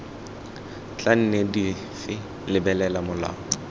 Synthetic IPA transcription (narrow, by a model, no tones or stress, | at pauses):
t͡ɬʼan̩nedi | fɪ | lɪbɛlɛlamʊla̰ːɔ